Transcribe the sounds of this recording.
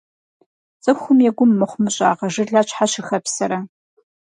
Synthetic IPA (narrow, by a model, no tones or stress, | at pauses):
t͡sʼɨxʷʊmjɛɡʷʊmːɨχʷmɨɕʼa̰ːʁɐʐɨrɮaːt͡ʃʼħaɕɪxɐpsɐɾɐ